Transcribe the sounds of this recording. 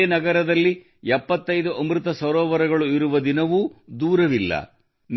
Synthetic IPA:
eːnɐɡɐɾɐd̪ɐlːi | ɛpːɐt̪ːɐjd̪uʔɐmɾɯt̪ɐsɐɾɔːʋɐɾɐɡɐɭuiɾuʋɐd̪inɐʋud̪uːɾɐʋilːɐ̰ | n

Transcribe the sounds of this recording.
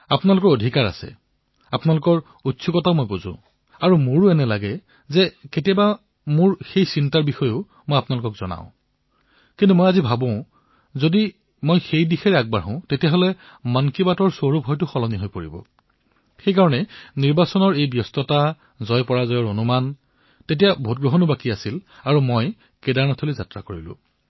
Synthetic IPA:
apʊnalʊkɔɹodʱikaɹa̰sɛ̰ | apnalʊkɔɹ | utːsʰukɔtaʊmojbuzʊ̰̃ | aɹumʊɹʊɛnɛlaɡɛ | zɛketijaba | mʊɹxejsintaɹbixɔjʊ | mojapnalʊkɔkz̥ɔ̰na̰ʊ̃ | kintumojazibʱabɔ̃ʊ̃ | zodi | mojxejdixɛɹɛak̚baɹɦɔ̃ʊ̃tetijaɦolɛ | mankibatɔɹsoɹubʱɔjtʊxɔlɔniɦojpoɹḭbɔ̰ | xejkaɹɔnɛniɹbasɔnɔɹejbjɔstɔta | zɔjpɔɹazɔjɔɹonuman | tet̬ijabʱot̚ɡɹɔɦɔnubakiasilaɹumoj | kedaɹnatʰolizatɹa̰koɹilʊ̰̃

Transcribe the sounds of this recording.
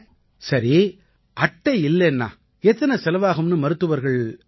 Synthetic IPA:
sɐɾi | ʔɐʈːɐɪɪlːɛnːa̰ː | ɛt̪ːɐnɐsɛlɐʋaːɣɯmnɯmɐɾɯt̪ːɯʋɐɾɣɐɭ

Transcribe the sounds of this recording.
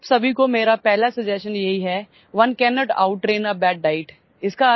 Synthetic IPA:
bsɐbʱikomeːɾapɛɦlasɪd͡ʒɛsənjɐɦiɦɛː | ʋɐnkɛːnɔːʈa̰ʊʈːɾẽːnəbɛːɖɖaːɪʈ | ɪska

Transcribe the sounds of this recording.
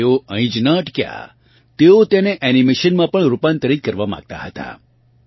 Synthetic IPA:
oə̃ĩd͡ʒnəʈkja̰ | t̪eot̪eneʔɛnimeʃənmãpəɳɾupãnt̪əɾikəɾʋamã̰ɡ̚t̪a̰ɦət̪a̰

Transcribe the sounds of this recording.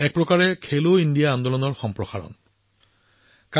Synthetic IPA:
ɛk̚pɹɔkaɹɛkʰeloindijaːndɔlɔnɔɹxɔmpɹɔxaɹɔ̰n | ka

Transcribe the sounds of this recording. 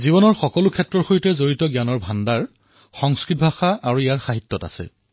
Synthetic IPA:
ziβɔnɔɹxɔkɔlukʰɛtːɹɔɹxojtɛzoɹitɔɡjanɔɹbʱandaɹ | xɔŋskɹit̚bʱaxaʔaɹuijaɹxaɦitːɔta̰sɛ̰

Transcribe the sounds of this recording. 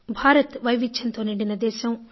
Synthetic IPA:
bʱaːɾɐt̪ʋɐjʋit͡ʃːʰɐnt̪oːniɽinɐd̪ɛːʃɐm

